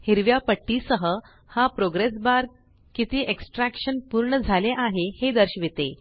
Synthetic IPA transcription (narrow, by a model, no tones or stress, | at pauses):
hiɾʋjapəʈːisəɦə | hapɾoɡɾesbaɾ | kit̪iːʔeksʈɾækʂənpuɾɳəd͡zʱaleʔaɦehed̪əɾɕʋet̪e